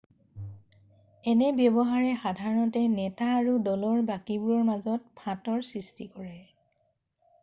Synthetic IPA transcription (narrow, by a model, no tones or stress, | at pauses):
ɛnɛbjɔbɔɦaɹɛxadʱaɹɔtɛnɛtaːɹudɔlɔɹbakibuɹɔɹmazɔt̚pʰãtɔɹsɹistikɔɹɛ